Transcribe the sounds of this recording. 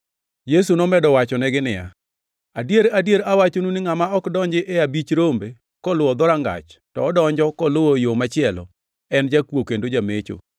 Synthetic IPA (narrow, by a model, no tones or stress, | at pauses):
jes̬unɔmɛdɔwat͡ʃɔnɛɡɪnɪja̰ | adjeɾadjeɾawat͡ʃonunɪŋamaɔkdɔɲd͡ʒɪʔɛabit͡ʃɾombe | kɔlʊɔd̪ɔɾaŋɡa̰t͡ʃtɔːdɔɲd͡ʒɔkɔlowojomat͡ʃɪɛlɔ̰ | ɛnd͡ʒakwokendod͡ʒamet͡ʃo̰